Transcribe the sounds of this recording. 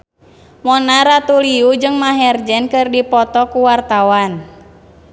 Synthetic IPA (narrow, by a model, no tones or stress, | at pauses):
mɔnaɾat̪uliud͡ʒɨŋmaɦɛrd͡ʒɛnkɨrdipɔt̪ɔkuwart̪awan